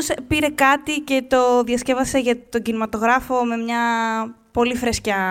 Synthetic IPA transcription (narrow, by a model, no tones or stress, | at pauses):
spiɾe̞kɐt̪ice̞t̪o̞ðjɐsce̞vɐse̞ʝɐt̪o̞ɟinimɐt̪o̞ɣɾɐfo̞me̞mɲɐpo̞lifɾescɐ